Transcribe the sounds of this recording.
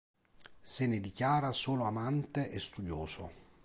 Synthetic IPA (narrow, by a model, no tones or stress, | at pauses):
sɪnɪd̪ikjaːɾasoːloamant̪eʔɛst̪ud̪joːso̰